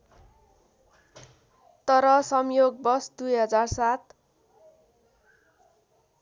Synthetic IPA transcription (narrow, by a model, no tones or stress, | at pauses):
t̪ʌɾʌsʌmjoɡ̚bʌsd̪ujɦʌd͡zarsat̪